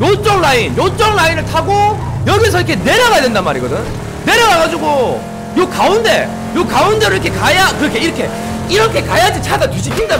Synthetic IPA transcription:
jot͡ɕ͈ʌŋɭainjot͡ɕ͈ʌŋɭlainɯɭtʰaɡojʌɡis̬ʰʌiɾʌkʰe̞ne̞ɾjʌɣajadwe̞ndanma̰ɾiɡʌdɯn | ne̞ɾʌɡaɡad͡ʑiɡo | jokaunde̞ | jokaunde̞ɾoɾikʰe̞kajakɯɾʌkʰe̞iɾʌkʰe̞ | iɾʌkʰe̞kajad͡ʑit͡ɕʰaɡatwiɕʰikʰinda

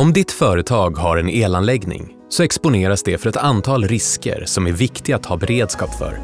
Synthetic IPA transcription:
ɔmd̪ɪt̪fœːɾət̪ʰɑːɡɦaɾɛneːlanlɛɡnɪ̰ŋ | sɔɛkspʊneːɾasd̪ɛfœɾɛt̪ant̪ʰɑːlɾɪskə̰ɾsɔmæɾvɪkt̪ɪɡat̪hɑːbɛɾeːd̪skɑːpfœ̰ɾ

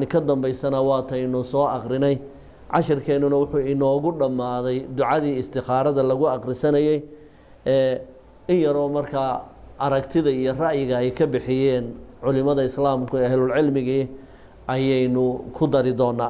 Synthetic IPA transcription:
nɪkʰɐd̪ɐmbɛjsɐnɐwɑːt̪ʰɛjnʊsɔːʔɑqɾɪnɛj | ʕɑ̰ʃɪrkʰɛːnʊnɐwʊħuːɪnɔːɣʊɖɐmːaːðɛjd̪ʊʕɑðiːɪst̪ɪχaːɾɐðɐlɐɣʊɑqrɪsɐnɐjɛj | ɛː | ɪnjɐɾɔːmɐrkʰaːʔɐɾɐkt̪ʰɪðɐijɔrɑʔjɪɣɐɛjkʰɐbɪħɪjɛːnʕʊlɪmɐðɐɪslaːmkʰʊɛːhɛlʊlʕɪlmɪɣiː | ʔɐjɛjnʊkʰʊd̪ɐɾɪd̪ɔːnːaː

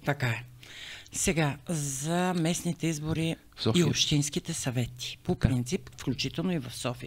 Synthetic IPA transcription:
t̪ɐkaɛ | sɛɡazɐmɛsnit̪ɛizboɾi | ɔiopʃt̪inskit̪ɛsɐvɛt̪i̥popɾɾint̪sipfklʲut͡ʃit̪ɛlˠnoivɐfsɔfi

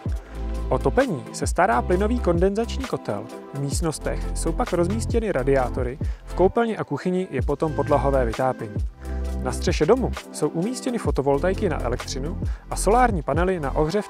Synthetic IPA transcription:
ʔo̞t̪o̞pɛɲiːsɛst̪aɾaːplɪno̞viːko̞ndɛnzat͡ʃɲiːko̞t̪ɛ̰l | vmiːst̪no̞st̪ɛxso̞wpakɾo̞zmiːscɛnɪɾʔadɪaːt̪o̞ɾɪfko̞wpɛlɲɪʔakuxɪɲɪjɛpo̞t̪o̞mpo̞dlaɦo̞vɛːvɪt̪aːpjɛɲiːnast̪r̝̥ɛʃɛdo̞muso̞wʔumiːscɛnɪfo̞t̪o̞vo̞lt̪ajkɪna̰ʔɛ̰lɛk̚t̪r̝̥ɪnuʔaso̞laːɾɲiːpanɛlɪna̰ʔo̞ɣr̝ɛf

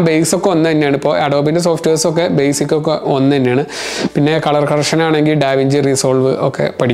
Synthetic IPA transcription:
bejsokːe̞onːɨt̪ɐnːejaːɳɨipːo̞ːɐɽoːbindes̬o̞ːfʈeːrso̞k̬ːe̞bejsikʲːok̬ːeonːɐðɐnːejaːɳɨ | pinːe̞kɐɭɐrkɐrʂɐnaːɳe̞ŋɡilɖaːʋiɲd͡ʑɨrisoːlʋɨ̰okːe̞̰pɐʈʰikː

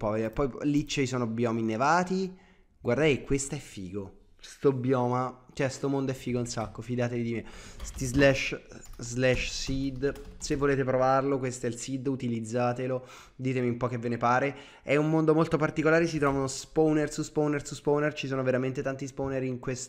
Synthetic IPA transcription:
mpɔvepːɔjlit͡ʃːeisɔːnobjɔːminevaːt̪i | ɡward̪ajkwest̪aɛfːiːɡo | st̪objɔːmat͡ʃɛst̪omond̪oɛfːiːɡounsakːofid̪aːt̪evid̪imest̪izlɛʃzlɛʃsid̪sevːoleːt̪epɾovarlokwest̪oɛlsid̪ut̪ilid̪zːaːt̪elo | d̪iːt̪emiumpɔk̟evːenepaːɾe | ɛumːond̪omolt̪opart̪ikolaːɾesit̪ɾɔːvanospownersuspownersuspownert͡ʃisoːnoveɾament̪et̪ant̪ispowneɾiŋkwest̪

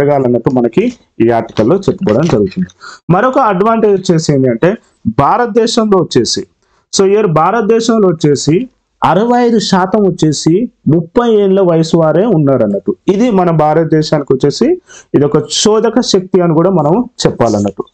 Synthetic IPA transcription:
ɐɡaːlɐnːɐʈːumɐnɐki | iːaːɾʈi̥kɐlːo̞ːt͡ʃepːukɐːɽɐnd͡ʒɐɾuɡut̪und̪imɐɾɔkɐːɖʋaːɳʈe̞ːd͡ʒt͡ʃe̞ːseːnd̪iɐɳʈe̞ː | bʱaːɾɐt̪̚d̪ɛːʃɐmlo̞ːt͡ʃːe̞ːsi | soːiɐɾbʱaːɾɐt̪̚d̪ɛːʃɐmlo̞ːt͡ʃːe̞ːsi | ɐɾɐʋɐjɐjd̪uʃaːt̪ɐmʋɐt͡ʃːe̞ːsimupːɐjeːnulɐʋɐjɐsuʋaːɾe̞ːunːaːɾɐnːɐʈːuid̪imɐnɐmbʱaːɾɐt̪̚d̪ɛːʃaːnikiʋɐt͡ʃːe̞ːsiid̪ɔkɐʃɔːd̪ɐkɐʃɐk̚t̪iɐnikuːɽaːmɐnɐmt͡ʃɛpːaːlɐnːɐʈːu

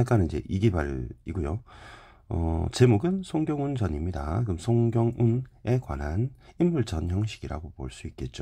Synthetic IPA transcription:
ak͈anid͡ʑe̞̰ʔiɡibaɾiɡojo | ʌ̰t͡ɕe̞moɡɯnsʰoŋɡjʌŋund͡ʑʌɲimɲida̰kɯmsʰoŋɡjʌŋune̞kwa̰nɦanimːuɭt͡ɕʌnçjʌŋɕʰiɡiɾa̰ɡopo̰ɭs͈uit̚k͈e̞t̚t͡ɕ͈o

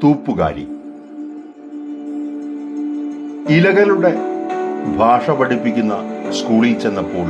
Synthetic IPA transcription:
t̪uːpːuɣa̰ːɾḭ | ilɐɣɐluɽe̞ | bʱaːʂɐpɐɽipːikʲːunːɐskuːɭit͡ɕenːɐpːoːl

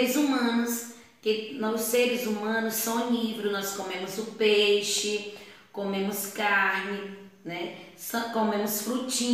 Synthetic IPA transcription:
ɪzumɐ̃nʊs | kɪnɐseɾɪzumɐ̃nʊsːɐ̃w̃nivɾʊnɔskomẽmʊzʊpejʃɪ | komẽmʊskaɾnɪ | nɛsɐ̃w̃komẽmʊsfɾut͡ʃĩ

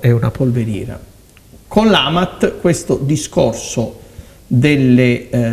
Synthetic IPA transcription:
ɛunapolveɾjḭːɾa̰ | konlaːmat̪ːkwest̪od̪iskorso | d̪elːe

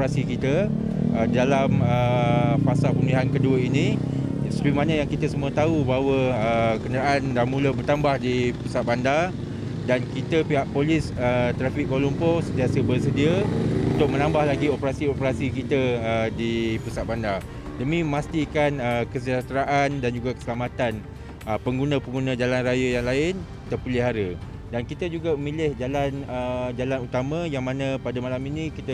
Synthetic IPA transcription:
ɾasikit̪ə | ədalaməfasalpəmliɦankəduəinĩ | səɾimãnə̃jaŋkit̪əsəmũət̪aubaɦawəəkənəɾaʔandamũləbərt̪ambahdipusat̪̚banda | dankit̪əpiɦaʔpolisət̪ɾafikkːolumposənt̪iasəbərsədiəunt̪ʊk̚mə̃nãmbahlaɡiopəɾasiopəɾasikit̪əədipusat̪̚banda | dəmĩəmast̪ikanəkəsəd͡ʒat̪ɾaʔandand͡ʒuɡakə̥səlamat̪an | əpəŋɡunə̃pəŋɡunãd͡ʒalanrajəjaŋlaɪn | t̪ərpiliɦaɾə | dankit̪əd͡ʒuɡaməmĩlɪhd͡ʒalanəd͡ʒalanut̪amə̃jaŋmãnãpadəmalaminĩkit̪ə

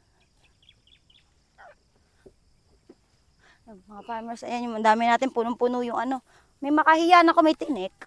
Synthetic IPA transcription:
mɐŋapaːmɛɾsɐ̰janjʊŋɐnd̪aːmɪnaːt̪ɪnpunompunujʊŋɐno̞ | mɐjmɐkahɪjanɐko̞mɐjt̪ɪnɛk̚

